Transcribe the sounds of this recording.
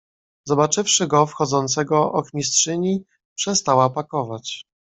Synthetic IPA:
zɔbat͡ʂɘfʂɘɡɔfxɔd̪zɔnt̪sɛɡɔɔxmʲistʂɘɲi | pʂɛst̪awapakɔvat͡ɕ

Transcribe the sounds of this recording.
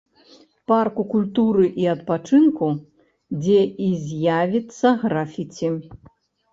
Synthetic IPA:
parkukulʲt̪uɾɨʔiɐt̪pat͡ʂɨnku | d͡zʲɛʔizʲjavʲit̪sːɐɣɾafʲit͡sʲi

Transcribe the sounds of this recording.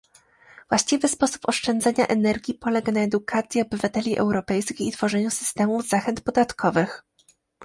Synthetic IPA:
v̥waɕt͡ɕivɘspɔsu̥pɔʂt͡ʂɛnd̪zɛɲaʔɛnɛɾɡʲipɔlɛɡanaɛd̪ukʰat̪sʲjɛɔbɘvat̪ɛlʲiʔɛ̰wɾɔpɛjskʲixit̪fɔʐɛɲusɘ̥st̪ɛmuvzaxɛnt̪̚pɔd̪at̪kʰɔvɘx

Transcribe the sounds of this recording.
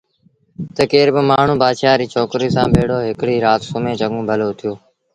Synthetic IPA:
t̪əkeːɾbɪmaːɳ̤ũːbaːʃaːɾiːt͡ʃʰoːkɾiːsãːbʱeːɽoːɦɪkɽiːɾaːt̪sʊmẽːt͡ʃəɠũːbʱəloːt̪ʰɪjoː

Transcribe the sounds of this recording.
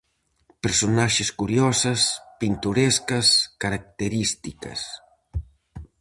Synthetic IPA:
peɾsonaʃeskuɾjɔsɐspint̪uɾɛskɐskaɾak̚t̪eɾist̪ikɐ̰s

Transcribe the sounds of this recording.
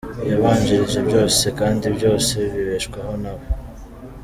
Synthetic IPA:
jaβaːɲd͡ʒiɾiʒebjo̞ːse̞kaːndibjo̞ːse̞βiβe̞ʃkwaɦo̞naβo

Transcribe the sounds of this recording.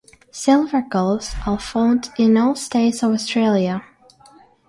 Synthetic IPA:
sɪlˠvə˞ɡolˠvz̥əfõʊ̃ndɪ̃nɔlˠsteɪtsʌvɔstʰɹ̥eɪlˠjə

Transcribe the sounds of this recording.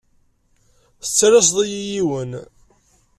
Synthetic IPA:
θət͡sːɾɑs̬ðˤijijiwən

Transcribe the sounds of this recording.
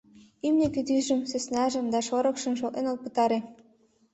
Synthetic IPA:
ymneked̪yʒɘ̆msĕsnæʒə̆md̪ɑʃoɾɤ̆kʃɤ̆mʃ̬olʔ̪enol̚pɤ̆t̪ɑɾe

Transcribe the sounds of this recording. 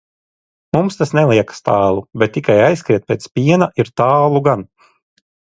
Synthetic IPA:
mumst̪asnɛlˠiɛkḁst̪aːlˠubɛt̪̚ːikajajskɾiɛt̪̚pʲeːt̪spʲiɛnaʔiɾt̪aːlˠuɡan

